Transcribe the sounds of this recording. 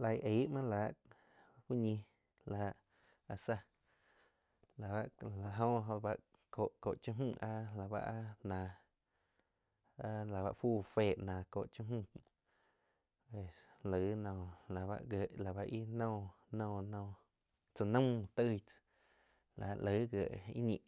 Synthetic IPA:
la˧jʔe˨˦ʔmã˦laː˨˦ʔ | hu˦ɲĩ˧ | la˨˧ʔ | a˧sa˧ | la˨ba˧ʔla˨ɦõ˧˦ɦõ˧ba˧ʔ | ko˨ʔko̰˨ʔt͡ʃũ˦ɦũ˦˧˨ʔa˦la˨ba̰˧ʔa˦nãː˨ | a˦la˨βa̰˧ʔfuː˦˨feː˧˨ʔnã˨ko̰˨ʔt͡ʃũ˦mũ˦˨ | pe˨slə˨˦nɔ̃ː˧˨la˨βa̰˧ʔɡə˨ʔla˨ba˧ʔi˦nɔ̃ː˦˧˨nɔ̃ː˧˨nɔ̃ː˧˨ | t͡sə˧nə̃˦m˧t̪ə˦˧˨ | la˨˧ʔlə˨˦ɡə˨ʔḭ˦ɲḭ̃˧˨

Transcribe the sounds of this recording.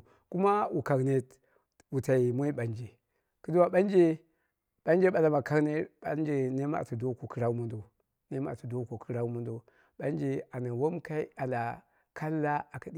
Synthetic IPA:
ku˦ma˦wu˨ka˨ɡne˨t | wu˨ta˨i˨mo˦i˦ɓa˨nd͡ʒe˨ | ki˦du˦wa˨ɓa˦nd͡ʒe˦ | ɓa˦nd͡ʒe˦ɓa˨la˨ma˨ka˦ɡne˦ɓa̰˦nd͡ʒe˨ne˦ma̰˦˨tu˨do˦ko˨ki˦ɾa˦u˦mu˦ndo˨ | ne˦ma̰˦˨tu˨do˦ko˨ki˦ɾa˦u˦mu˦ndo˨ | ɓa˦nd͡ʒe˨a˨na˨wo˦mka˦i˦a˨la˨ | kʰa˦lːa˦a˨ka˨di˦

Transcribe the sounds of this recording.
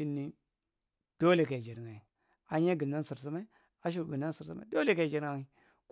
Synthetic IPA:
i˦nːi˦ | d̥o˦le˨ka˨d͡ʒe˨ɾŋa˨i˨ | a˨ɲa˦ɡi˨nda˦n˦si˨ɾs̬u˦ma˦i˦ | a˨ʃ̬u˨ɾɡi˨nda˦nsi˨ɾsu˦ma̰˦do˦le˨ka˨d͡ʒe˨ɾŋa˦i˦˨ | k

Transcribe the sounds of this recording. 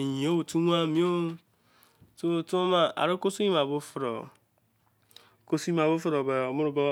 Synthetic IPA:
ɲĩ˨o˦wu˨tu˦wa˦˨mĩ˦o˦ | to˦tu˦ma˦ʔa̰˨ɾe˦ko˦su˦i˦ma˨bʊ˦fɾɔ̰˨ | ko˦su˦i˦ã˨bʊ˦fɾɔ˨ba˨o˨mʊ˦ɾʊ˨˦bɔ˦

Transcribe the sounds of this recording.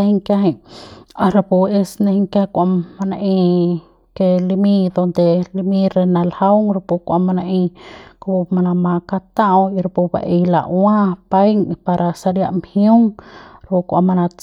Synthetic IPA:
e˧hi˧ŋka˦ɦe˧ɲa˧ɾa˧pu˧e˦˧sne˧hi˧ŋkja˦˧kʷa˧ma˧na˧ʔĩ˧ | ke˧li˧mi˧d̪o˧nd̪e˨li˧mi˧ɾe˧na˧lha˦wŋɾa˧pu˧kʷa˧ma˧na˧ʔĩ˧ku˧˦pu˧ma˧na˧mã˧ka˧t̪a˦ʔwi˧ɾa˧pu˧ba̰˨ʔe˧jla̰˨˧wã˦pa˦jŋpa˧ɾʔa˧sa˧ɾja˧ʔmhju˦ŋɾa˧pu˧kʷa̰˧ma˧na˧t͡s

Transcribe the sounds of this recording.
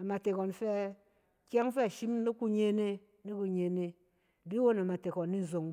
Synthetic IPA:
a˨ma˨te˨kɔ˨nfɛ˦ | kʲja˦ŋ˦fe˦a˨ʃi˦m˦i˦ku˦ɲe˦ne˦ | ni˦ku˦ɲe˨ne˦ | di˦wo˦na˨ma˨te˨kɔ˨nː˦i˦n˨zo˨ŋ

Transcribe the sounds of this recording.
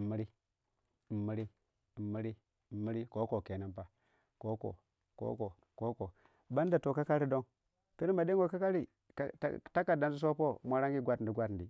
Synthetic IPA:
mːi˦ɾi˦˨ | mːi˦ɾi˦˨ | mi˦ɾi˦˨ | mi˦ɾi˦ko˦ko˨ke˨na˦mpa˦ | ko˦ko̰˨ | ko̰˦ko˨ | ko˦ko˨ | ba˦n˦da˨to˨ka˦ka˦ɾi˦do˦ŋ | pi˦ɾi˦ma˨de˦ŋ˦ɡo˨ka˦ka˦ɾḭ˨˦ | ta˦kːa˨da˨n˦zi˦s̬o˦po˦mʷa˦ɾa˦ŋɡi˦ɡʷa˦tn˨di˨ɡʷa˦t̩˨di˨

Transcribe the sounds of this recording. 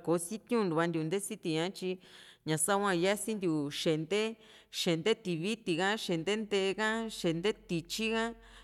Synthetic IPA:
ko˨˦si˦t̪jũ˦˧nu˨βa˧nd̪ʲju˧nd̪e˦si˦t̪i˧ɲã˦t͡ʃi˧ɲã˨sa˦˧wʷã˧ja˦si˦nd̪ʲu˨ʃe˨nd̪e˦ | ʃe˨nd̪e˦t̪i˧βi˦t̪i˨ɣã˦ʃe˨nd̪e˦nd̪e˧kã˦ʃe˧nd̪e˦t̪i˧t͡ʃi˦ɣã˦

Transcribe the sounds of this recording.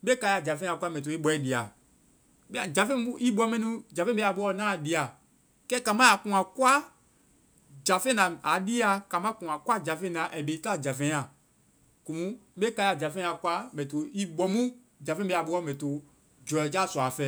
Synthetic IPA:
be˦ka˧ja˨d͡ʒa˨fɛ̃˦a˨kʷa˦mɛ̃˨t̬o˨i˦bɔ˨˦ɛ˦di˨a˨ | be˦a˨d͡ʒa˨fɛ̃˦i˦bɔ˦mɛ̃˦nũ˦d͡ʒa˨fɛ̃˦e˦a˨bo˦ɔ˦˨nã˦˨di˨˦a˨ | kɛ˦ka˨mã˦a˨kũ˨a˨kwa˦ | d͡ʒa˨fɛ̃˦nã˨a˨di˦a˦ka˨mã˦kũ˨ã˨kwa˦d͡ʒa˨fɛ̃˦nã˨ʔɛ˨be˨˦ta˦˨d͡ʒa˨fɛ̃˦a˨ | ku˨mũ˦be˦ka˧ja˨d͡ʒa˨fɛ̃˦a˨kʷa˦mɛ̃˨to˨i˦bɔ˨mũ˦ | d͡ʒa˨fɛ̃˦be˦˨a˨bo˦ɔ˦mɛ̃˨to˨ | d͡ʒɔ˨ɛ˨d͡ʒa˦˨sɔ˨a˨fɛ˨˦

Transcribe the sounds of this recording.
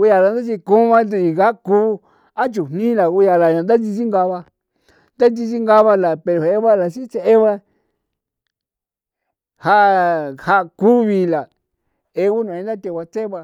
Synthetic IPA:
u˧ja˧la˨˧nd̪a˦t͡ʃi˧kũ˦βã˧d̪u˧i˨ɣa˦kuː˦ | a˦t͡ʃu˨n̥nĩ˦la˨ɣu˧ja˧la˨ɲã˨nd̪a˦i˧t͡ʃi˦ŋɡa˧βa˧ | nd̪a˦nt͡ʃi˧t͡ʃi˦ŋɡa˧βa˧la˨pe˧ɾo˨he˦βa˦la˨t͡ʃi˦t͡se˧e˦βa˧ | ha˧˦ʔa˧ha˧ku˦βi˧la˨ | e˧u˦nũ˨ẽ˧nd̪a˦t̪e˧˨ka˧t͡se˦βa˧

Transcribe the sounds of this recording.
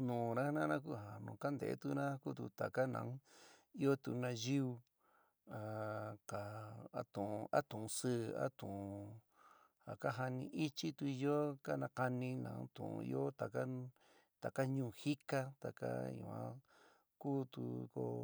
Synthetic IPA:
nũ˨˧ɾã˦nã˦nã˦ku˦ɦã˨nũ˨ka˦nd̪ḛ˨˦t̪u˧nã˦ku˦t̪u˧t̪a˨ka˦nã̰˨˦i˦o˦t̪u˨˧nã˧ji˦u˧ | a˨ka˨a˦t̪ũ˨˧ʔa̰˦t̪ũ˨ũ˧sɨ˦˧a̰˦t̪ũ˨˧ | a˨ka˦ɦa˧nĩ˧ʔi˦t͡ʃi˦t̪u˧i˧jo˦ka˦nã˧ka˧nĩ˧nã̰˨˦t̪ṵ̃˨ṵ̃˧ḭ˧o˦t̪a˨ka˦ | t̪a˨ka˦ɲũː˦˨hi˦ka˦t̪a˨ka̰˦ɲṵ̃˧˨ã̰˦ | kuː˦˨t̪ṵ˧ko̰˧

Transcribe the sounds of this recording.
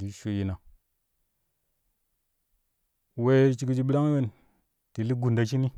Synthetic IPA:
di˨˦ʃu˨ji˨na˨ | we˦t͡ʃi˨ki˦d͡ʒi˨ɓi˦la˦ŋ˦we˦n | ti˨li˦ɡu˨nda˨t͡ʃi˦ni˦

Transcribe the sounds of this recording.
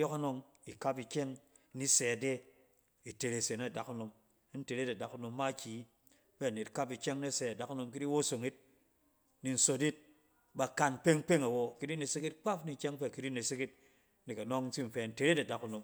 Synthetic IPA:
jɔ˦ka˦no˧ŋ | i˨ka˦p̬i˨kʲe˦ŋ˦ | ni˦se˨a˨de˦ | i˨te˨ɾe˨se˨na˦˨da˨ku˦no˨m˦ | n̩˦te˨ɾe˦da˨da˨ku˦no˨mːa˦˨kʲi˨˦ | be˦a˨ne˨tka˦pi˨kʲe˦ŋ˦ne˦se˨a˨da˨˦ku˦no˧mk̬i˦di˦wo˦so˨ŋi˦t̚ | ni˨n̩˨so˨˦di˦t̚ | ba˨ka˨n˨pe˦ŋ˦k͡pe˦ŋa˨wo˨ki˦di˦ne˨si˦ki˦t̚k͡pa˦fni˨˦kʲe˦ŋ˦pe˦˨ki˦di˦ne˨si˦ki˦t̚ | ni˨ka˨no˦ŋn̩˦ti˦m̩˨fe˨˦˨n̩˦te˨ɾe˦tda˨ku˦no˨m

